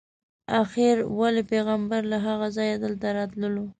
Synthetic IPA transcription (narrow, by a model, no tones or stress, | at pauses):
axɪɾwalepeɣambaɾlaɦaɣazɑjad̪əlt̪aɾɑt̪ləlo